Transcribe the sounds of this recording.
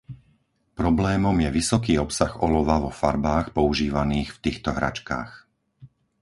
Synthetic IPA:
pɾɔblɛːmɔmjɛʋisɔkiːɔpsaɣɔlɔʋaʋɔfaɾbaːxpɔuʒiːʋaniːxft̪iːxt̪ɔɦɾa̰t͡ʃka̰ːx

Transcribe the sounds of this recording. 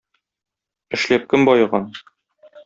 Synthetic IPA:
ɘ̆ʃlæp̚kɘmbɒjɤ̆ʁɑn

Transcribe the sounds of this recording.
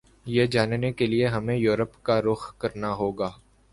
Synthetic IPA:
jeːd͡ʒaːnnekelieɦɐmẽjuːɾəpkaɾʊxkɐɾnaɦoːɡaː

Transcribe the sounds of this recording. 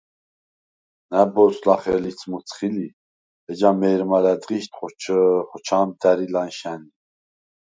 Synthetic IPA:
næbɔslɑχɛlit͡sʰmut͡sʰχili | ɛd͡ʒamɛɾmɑlæd̪ʁiʃt̪ʰχɔt͡ʃʰχɔt͡ʃʰamd̪æɾilɑnʃæni

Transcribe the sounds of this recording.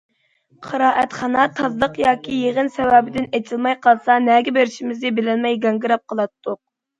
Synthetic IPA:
qʰɑɾɑːʔɛt̪χɑnɑt̪ʰɑzlˠəqjɑːkʲʰijeʁənsɛwɛːbɪd̪ɪnet͡ʃʰilˠmɑjqʰɑlˠsɑnɛɡʲɛbeɾɪʃimɪznɪbɪlɛnmɛjɡɛŋɡɨɾɑp̚qʰəlˠɑt̪ʰːʊq̚

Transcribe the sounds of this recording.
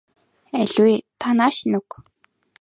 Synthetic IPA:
æɮʲwet̪ʰanaːʃnʊk

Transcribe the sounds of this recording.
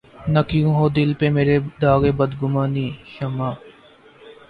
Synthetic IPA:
nɐkjũːɦoːd̪ɪlpemeːɾed̪aːɣeːbəd̪ɡʊmãːniːʃəmãː

